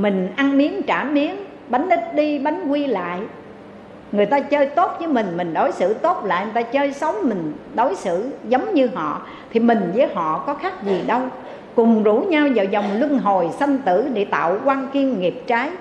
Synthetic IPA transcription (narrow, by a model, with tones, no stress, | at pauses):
mï˨˩ŋ̟ʔa˧ŋmi˨˦ənt͡ɕaː˧˩mi˨˦ən | ɓa˨˦jŋ̟ʔi˦˥t̚ɗi˧ɓa˨˦jŋ̟kwi˧la̰ː˧˨j | ŋɨ˨˩əjt̪aː˧t͡ɕəː˧jt̪o˦˥t̚vəː˨˦jmï˨˩ŋ̟mï˨˩ŋ̟ɗo˨˦jsɨ̰˧˩˨t̪o˦˥t̚la̰ː˧˨jt̪aː˧t͡ɕəː˧jsə˨˦wŋ͡mmï˨˩ŋ̟ɗo˨˦jsɨ̰˧˨zə˨˦wŋ͡mɲɨ˧ɦɔ̰˧˨ | t̪ʰi˨˩mï˨˩ŋ̟vəː˨˦jɦɔ̰˧˨kɔ˨˦xaː˦˥k̚zi˨˩ɗə˧w | kʊ˨˩ŋ͡mzu˧˥ɲa˧wzaː˨˩wzɔ˨˩wŋ͡mlwɨ˧ŋɦo˨˩jsə˧nt̪ɨ˧˩ɗḛ˧˥t̪a̰ː˧˨wkwaː˧ŋki˧əŋːi˨˩p̚t͡ɕaː˨˦j